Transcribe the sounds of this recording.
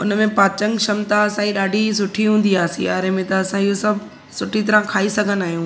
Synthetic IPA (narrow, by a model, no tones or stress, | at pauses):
ʊnə̆mẽpaːt͡ɕə̃ŋɡʃɐmt̪aɐsãːd͡ʑiɗaːɖʱisʊʈʰiɦũːn̆d̪iaːsḭjaːɾemẽt̪ɐːsãijosɐbʱ | sʊʈʰit̪ɐɾãkʰaːisɐɡʱənaːɦijũː